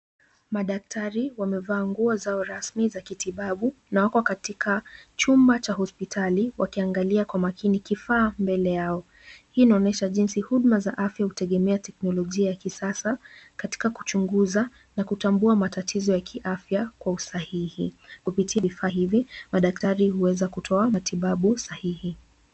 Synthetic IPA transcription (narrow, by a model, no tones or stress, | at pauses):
maɗak̚tʰaɾiwamɛvaːŋɡuɔzaɔɾasmizakitiɓaɓu | nawakɔkatikʰat͡ʃumbat͡ʃaɦɔspitʰaliwʔakiaŋɡaliakwamakʰinikifaːmbɛlɛjaɔ | hiːnaɔnɛʃaʄinsihuɗmazaʔafjahutɛɠɛmɛatɛknɔlɔʄiajakisasakati̥kaku̥t͡ʃuŋɡuza | nakutambuamatatʰizɔjakʰiʔafjakwausahihikupitʰiavifaːɦivimaɗak̚taɾihuwɛzakutʰɔamatiɓaɓusahihi